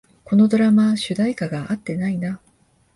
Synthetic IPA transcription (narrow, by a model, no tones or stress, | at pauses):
ko̞no̞d̪o̞ɾamaɕɨd̪aikaɡaat̪ːe̞naina